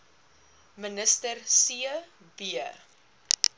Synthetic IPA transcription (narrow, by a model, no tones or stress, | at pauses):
mənəstərsiə | biə